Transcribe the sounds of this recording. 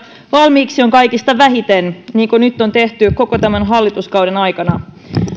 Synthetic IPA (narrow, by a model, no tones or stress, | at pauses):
ʋɑlmiːksioŋkɑjkist̪ɑʋæɦit̪enniːŋkonyt̪ːo̞nt̪e̞ht̪yko̞kot̪æmænɦɑlːit̪uskɑwdenɑjkɑnɑ